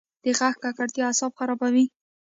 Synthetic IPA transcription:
d̪̥əɣaxkakaɽt̪jɑasɑbxaɾɑbawi

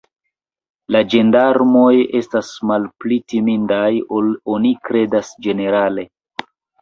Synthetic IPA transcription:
lad͡ʒe̞ndaɾmo̞je̞stasmalplitimindajoonikɾe̞dasd͡ʒe̞ne̞ɾale̞

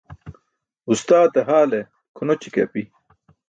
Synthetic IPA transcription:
ust̪aːt̪ɐɦaːle | kʰunot͡ɕʰi̥kḛpi

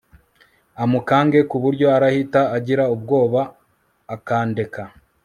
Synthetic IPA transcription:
amukaːŋɡe̞kuβuɾɟo̞aɾahitaːɟiɾaub̚ɡo̞ːβaː | kaːnde̞ka

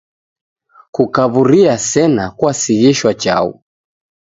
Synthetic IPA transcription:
kukaβuɾiasɛnakwasiɣiʃwat͡ʃa̰ṵ

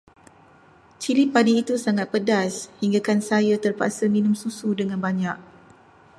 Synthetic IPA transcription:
t͡ʃilipadiːt̪usaŋat̪̚pədashiŋɡakansajat̪ərpa̰saminʊ̃msusudəŋãnbaɲak̚

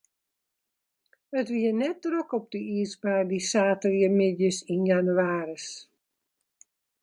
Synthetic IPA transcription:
ətʋiənɛt̚drokɔp̚dəiəsbaːdisaːtəriəmɪdjəsinjanyaːɾəs

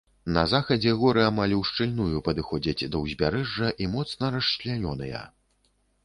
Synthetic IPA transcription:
nɐzaxɐd͡zʲɛɣɔɾɨamalʲwʂt͡ʂɨlʲnujupɐd̪ɨxɔd͡zʲɐd͡zʲd̪ɐwzʲbʲaɾɛʐːɐʔimɔt̪snɐɾɐʂlʲanʲɔnɨjɐ̰

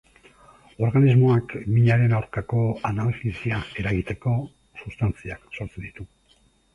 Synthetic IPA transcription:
o̞ɾɣanizmo̞akmiɲaɾe̞nawɾkako̞analxisiae̞ɾaɣit̪e̞ko̞ | sust̪ant͡siakso̞ɾt͡se̞nd̪it̪u

